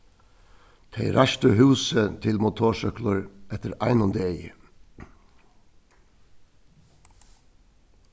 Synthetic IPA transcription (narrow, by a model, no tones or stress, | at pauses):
t̪ʰeɪɾæʃt̪əhʉːsət̪ʰɪlmʊt̪ʰoːʃœklʊɹʔɛt̪əɾʔæ̰ɪnɔnd̪eɪ